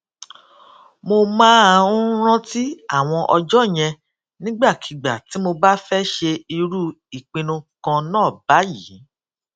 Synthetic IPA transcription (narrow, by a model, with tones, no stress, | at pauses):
mo˧mã˦˧ũ˦ɾ̃ã˦ti˦a˦˨w̃ɔ̃˧ʔɔ˧d͡ʒɔ˦˨j̃ɛ̃˧ | nĩ˦ɡ͡ba˦˨kʰi˨ɡ͡ba˨ti˨˦mo˧ba˦fɛ˦ʃe˧i˧ɾu˦ | i˨k͡pĩ˧nũ˧kã˧nãː˦˨ba˨˦ji˨˦˨